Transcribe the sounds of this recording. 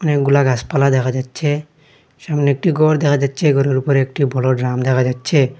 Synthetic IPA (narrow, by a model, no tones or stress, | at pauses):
ɔnek̚ɡulaɡaspalad̪ɛkʰad͡ʒatːʃʰe | ʃamneek̚ʈiɡɔɾd̪ɛkʰad͡ʒatːʃʰeɡɔɾeɾupɔɾeek̚ʈibʱɔlɔɖɾamd̪ɛkʰad͡ʑatːʃʰe